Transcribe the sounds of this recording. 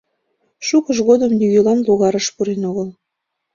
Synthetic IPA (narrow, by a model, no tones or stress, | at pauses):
ʃukəʃ̬ɣod̪əmj̪yɣelɑnloɣɑɾəʃpuɾenoɣəl